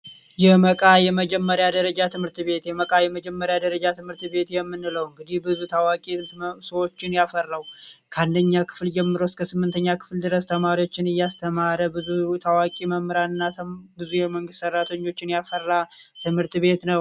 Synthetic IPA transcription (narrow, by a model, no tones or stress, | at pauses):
jɛməkʼajɛməd͡ʒɛmːəɾjad̪əɾəd͡ʒat̪ʰɨmhɨɾt̪βe̞t̪jɛməkʼajɛməd͡ʒɛmːəɾjad̪əɾəd͡ʒat̪ʰɨmhɨɾt̪βe̞t̪jɛmːɨnːɨləwɨŋɡɨd̪ihbɨzut̪ʰawakʼisəwo̞t͡ʃːɪnjafərːawkʰəand̪əɲːakʰɨ̥fld͡ʒɛmːɨɾəwskʰəsɨmːɨnt̪ʰəɲːakʰɨ̥fld̪ɨɾəst̪ʰəmaɾiwo̞t͡ʃːɪnɨjːast̪ʰəmaɾəbɨzut̪ʰawakʼiməmːɨɾanɨnːabɨzujɛməŋɡɨst̪ːsərːat̪ʰəɲːo̞t͡ʃːɪnjafərːat̪ʰɨmhɨɾt̪βe̞t̪nəw